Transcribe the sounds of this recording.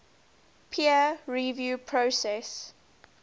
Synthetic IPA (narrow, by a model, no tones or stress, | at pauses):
pʰiəɹivjuːpʰɹosɛs